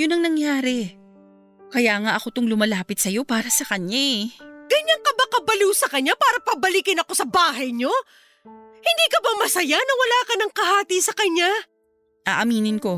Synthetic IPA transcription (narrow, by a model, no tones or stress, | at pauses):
jʊnɐŋnɐŋjaːɾɛ | kɐjaːŋaʔɐko̞t̪oŋlʊmɐlaːpɪt̪sɐjo̞paːɾɐsɐkɐɲaɡ̥ɐɲaŋkɐbɐkɐbɐluːsɐkɐɲapaːɾɐpɐbɐlikɪnɐko̞sɐbaːɦɐjɲo̞ | hɪnd̪iːkɐbɐmɐsɐjanɐwɐlaːkɐnɐŋkɐhaːt̪iːsɐkɐɲa | ʔa̰ːʔɐmiːnɪnko̞